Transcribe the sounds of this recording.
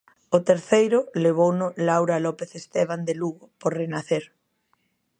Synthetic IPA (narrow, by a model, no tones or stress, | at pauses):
ʊt̪eɾθejɾʊleβ̞ownʊlawɾalɔpeθest̪eβ̞and̪eluɣʊpoɾrenaθeɾ